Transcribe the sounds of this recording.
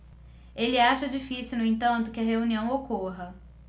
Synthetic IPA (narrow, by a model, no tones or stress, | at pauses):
elɪaʃɐd͡ʒifisiwnʊẽt̪ɐ̃nt̪ʊkɪɐɦeuniɐ̃w̃okoɦɐ